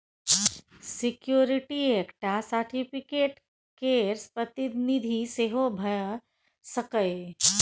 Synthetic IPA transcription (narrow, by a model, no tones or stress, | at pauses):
sikjoɾiʈiekʈasəɾʈʰipʰikeːʈ | keɾspɾət̪id̪nid̪ʱiseɦobʱəj | səkəj